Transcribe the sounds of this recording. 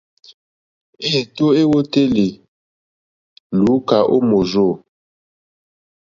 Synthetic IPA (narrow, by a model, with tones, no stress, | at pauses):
e˦˨to˦e˦wo˦te˦le˨ | lu˨˦ka˨ʔo̰˦mo˨zo˦˨